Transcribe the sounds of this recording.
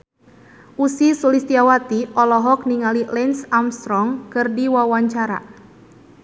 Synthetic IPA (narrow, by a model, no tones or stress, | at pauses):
ʔusisulist̪iawat̪iʔɔlɔɦɔk̚niŋalilɛnsamst̪ɾɔŋkɨrdiwawaɲt͡ʃaɾa̰